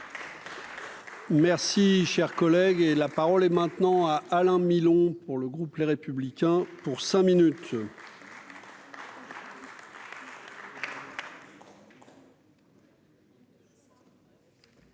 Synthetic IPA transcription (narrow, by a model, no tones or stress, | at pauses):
mɛʁsiʃɛʁkɔlɛɡelapaʁɔlɛmɛ̃t̪nɑ̃aʔalɛ̃milɔ̃puʁləɡʁupleʁepyblikʲɛ̃puʁsɛ̃minyt̪